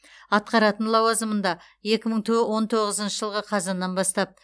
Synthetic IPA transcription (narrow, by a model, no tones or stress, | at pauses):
ɑt̪̚qɑɾɑt̪ənlˠɑwɑzəmənd̪ɑ | je̞kʲɪməɴt̪ʰwo̞nt̪ʰo̞ʁəzənʃəʒəlˠʁəqʰɑzɑnːɑnbɑst̪ɑp̚